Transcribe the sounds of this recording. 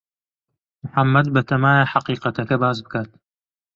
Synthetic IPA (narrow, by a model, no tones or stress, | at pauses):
mʊħamːɐd̪bɐt̪ʰɐmaːjaħaqiːqɐt̪ʰɐkɐbaːzbɨkaːt̪̚